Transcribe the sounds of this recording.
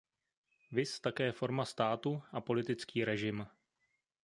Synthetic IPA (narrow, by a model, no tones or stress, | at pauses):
vɪst̪akɛːfo̞ɾmast̪aːt̪uʔapo̞lɪt̪ɪt͡skiːɾɛʒɪm